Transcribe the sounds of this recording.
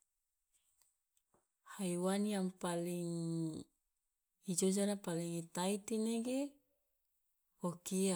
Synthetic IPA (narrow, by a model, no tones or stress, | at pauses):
haiwaniaŋpaliŋ | id͡ʒod͡ʒanapaliŋit̪ait̪ineɡe | okia